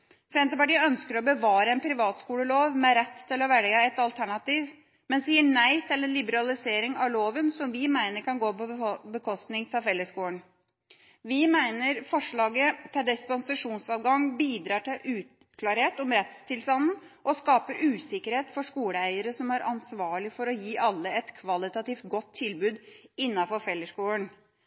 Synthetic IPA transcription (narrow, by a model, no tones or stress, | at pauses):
sɛnt̪əpɑʈiːœnskəɾɔbəʋɑːɾəɛnpʰɾɪʋɑːt̪skuːləloːʋmɛɾɛt̪ʰːɪlɔʋɛɭɡəɛt̪ɑlt̪ʰæɳɑt̪iːʋ | mɛnsiːəɳæɪt̪ʰɪlɛnlɪbəɾɑlɪseːɾɪŋɑʋloːʋənsɔmʋɪmæɪnəɾkʰɑnɡoːpɔbəkʰɔst̪nɪŋt̪ʰɛlfɛlːəskuːəɳ | ʋɪmæɪnəɾfɔʂɭɑːɡət̪ʰɪld̪ɪspɑnsɑʂuːnsɑːʋɡɑŋbiːd̪ɾɑːʈɪlʔʉːt̪ | kʰlɑːɾheːt̪ɔmɾɛt̪st̪ʰɪlst̪ɑnn̩ | ʔɔskɑːpəɾʉːsɪkəɾheːt̪fɔʂkuːləæɪəɾəsɔmæɾʔɑnsʋɑːɭɪfɔɾɔjiːʔɑlːəɛt̪kʰʋɑlɪt̪ɑt̪iːft̪ɡɔt̪ʰːɪlbʉːd̪ɪnːɑfɔɾfɛlːəskuːəɳ